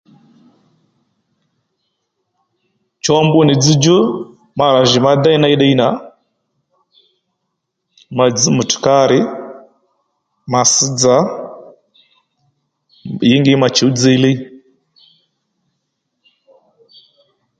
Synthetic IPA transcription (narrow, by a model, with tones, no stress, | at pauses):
t͡ʃɔ˦mbu˦ni˨d͡zi˦d͡ʒu˦ | ma˨ɾa˨ʒi˨ma˦d̪a˦i˦na˦i˦ɗɛ˦i˦na˨˦ | ma˨d͡zi˦mu˨tu̥˨ka˦ɾi˦ | ma˨si˦d͡za˦ | ji˦ŋɡi˦ma˨t͡ʃi˨u˦d͡zi˦li˦